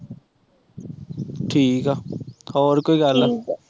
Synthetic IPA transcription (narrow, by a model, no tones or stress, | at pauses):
ʈʰiːkaːɔːɾkoːiːɡala